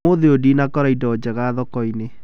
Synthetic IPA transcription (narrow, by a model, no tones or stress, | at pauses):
oðeodinakɔɾaidɔɔd͡ʒɛɣaðɔkɔine